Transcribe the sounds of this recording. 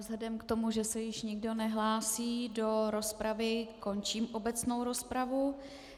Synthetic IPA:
vzlɛdɛmkt̪o̞muʒɛsɛjɪʃɲɪɡdo̞nɛɦlaːsiːdo̞ɾo̞spɾavɪko̞nt͡ʃiːmʔo̞bɛt͡sno̞wɾo̞spɾavu

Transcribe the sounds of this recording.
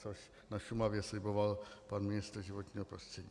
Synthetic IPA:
oʃ | naʃumavjɛslɪbovalpanmɪnɪst̪ɾ̩ʒɪvot̪ɲiːɦopɾost̪r̥ɛɟḭː

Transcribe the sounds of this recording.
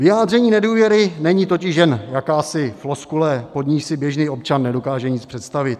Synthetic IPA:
vɪjaːd̪rɛɲiːnɛduːvjɛɾɪnɛɲiːt̪o̞cɪʃjɛnjakaːsɪflo̞skulɛpo̞d̪ɲiʃsɪbjɛʒniːo̞pt͡ʃanːɛdo̞kaːʒɛɲɪt͡spr̥ɛt̪st̪avɪt̪

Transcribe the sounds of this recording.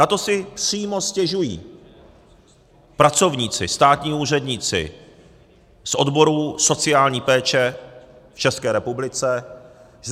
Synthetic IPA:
nat̪o̞sɪpr̥iːmoscɛʒujḭː | pɾat͡so̞vɲiːt͡sɪst̪aːt̪ɲiːuːrɛdɲɪt͡sɪ̰ | sʔo̞dbo̞ɾuːso̞t͡sɪaːlɲiːpɛːt͡ʃɛ | ft͡ʃɛskɛːɾɛpublɪt͡sɛ

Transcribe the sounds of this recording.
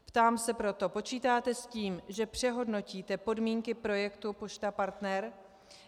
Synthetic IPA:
pt̪aːmsɛpɾo̞t̪o̞po̞t͡ʃiːt̪aːt̪ɛsciːmʒɛpr̝̥ɛɦo̞dno̞ciːt̪ɛpo̞dmiːŋkɪpɾo̞jɛkt̪upo̞ʃt̪apaɾt̪nɛɾ

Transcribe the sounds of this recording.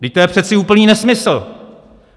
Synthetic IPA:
dɪc̚t̪ojɛpr̥ɛt̪t͡sɪuːpl̩niːnɛsmɪsl̩

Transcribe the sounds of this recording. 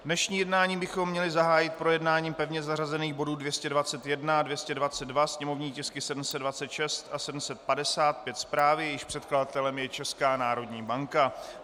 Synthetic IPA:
dnɛʃɲiːjɛdnaːɲiːbɪxo̞mːɲɛlɪzaɦaːjɪt̪̚pɾo̞jɛdnaːɲiːmpɛvɲɛzarazɛniːɣbo̞duːdvjɛscɛdvat͡sɛt̪jɛdnadvjɛscɛdvat͡sɛd̪dvasɲɛmo̞vɲiːcɛskɪsɛdm̩sɛddvat͡sɛt̪ʃɛst̪asɛdm̩sɛt̪̚padɛsaːt̪̚pjɛt̪spɾaːvɪjjɪʃpr̝̥ɛt̪̚kladat̪ɛlɛmjɛt͡ʃɛskaːnaːɾo̞dɲiːbaŋka

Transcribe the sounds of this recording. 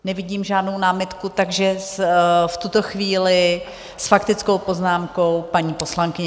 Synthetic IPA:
nɛvɪɟiːmʒaːdno̞wnaːmɪt̪kut̪aɡʒɛsft̪ut̪o̞xviːlɪ | sfakt̪ɪt͡sko̞wpo̞znaːmko̞wpaɲiːpo̞slaŋkɪɲɛ

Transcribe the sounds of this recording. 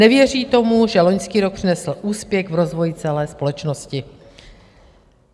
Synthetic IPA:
nɛvjɛr̝iːt̪o̞muʒɛlo̞ɲskiːɾo̞k̚pr̝̥ɪnɛsl̩ʔuːspjɛɣvɾo̞zvo̞jɪt͡sɛlɛːspo̞lɛt͡ʃnoscɪ

